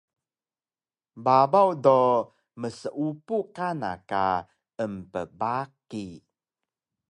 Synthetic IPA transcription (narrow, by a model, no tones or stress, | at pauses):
babawdo | məsəʔupukana̰ka̰ | əmpəbaki